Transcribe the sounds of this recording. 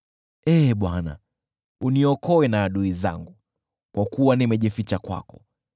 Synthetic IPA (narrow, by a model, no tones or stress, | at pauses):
ɛːɓwana̰ | uniɔkɔwɛnaːɗuiza̰ŋɡu | kwakuwanimɛʄifit͡ʃakwa̰kɔ̰